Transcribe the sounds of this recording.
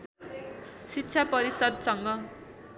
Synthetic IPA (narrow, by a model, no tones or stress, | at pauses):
sitːsʰapʌɾisʌd̪̚sʌŋɡʌ